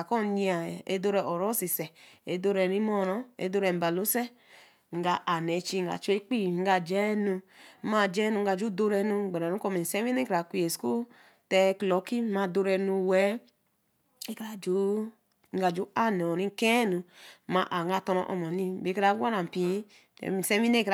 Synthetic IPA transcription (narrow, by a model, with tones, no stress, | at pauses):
a˨ko˦˨ɲi˦a˨ḛ˦do˦ɾɛ˨ʔo˨ɾo˦si˨sɛ˨e˨do˦ɾɛ˨ni˦mo˦˨ɾɔ˦ḛ˦do˦ɾɛ˨m̩˨ba˨lu˦se˦ | ŋ̩˨˦ɡa˨ʔa˨ne˨˦t͡ʃi˦ŋ̩˨a̰˨t͡ʃe˦k͡pi˦˨ŋ̩˦ɡa˨d͡ʒɛ˦nu˧˦ma˦˨d͡ʒɛ˦nu˨ŋ̩˦ɡa˨d͡ʒu˦do˦ɾɛ˧nu˧˨ɡ͡be˨ɾa˨nu˦ko˦˧me˨se˦wi˦ni˦kɾa˨kʷi˦e˨sku˦ | tɛ˦klo˨˦ki˦ma˨do˧ɾɛ˨nu˨wɛ˦ | e˦kɾa˨d͡ʒu˦ | ŋ̩˦a˨d͡ʒu˦a˦ne˨o˨ɾi˦ŋ˦kẽ˦nu˨˦ma˨ʔa˨ŋ˦ɡa˨to˧no̰˨ʔo̰˨ma˨ni˦be˨˦kɾa˨˦ɡʷa˦na˨m̩˨pḭ̃˦˨ | se˦mi˦e˦kɾ